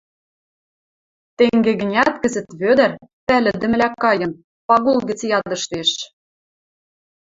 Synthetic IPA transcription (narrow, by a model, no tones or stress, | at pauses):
t̪eŋɡeɣɘ̆nʲæt̪kɘ̆zɘ̆t̪βød̪ɘ̆rpælɘ̆d̪ɘ̆m̆lækɑjɤ̆n | pɑɣulɣɡɘ̆t͡sjɑd̪ɤ̆ʃt̪eʃ